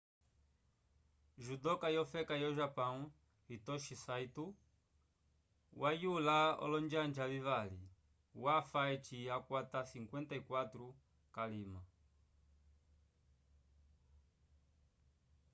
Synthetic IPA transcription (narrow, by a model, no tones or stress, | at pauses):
ʒudɔkajɔfɛkajɔʒapaŋu | hitɔʃisaitu | wʔajulaɔ̰lɔnd͡ʒand͡ʒalivali | wafaɛt͡ʃiakwatasiŋkwɛnt̪aikwat̪ɾu | kalima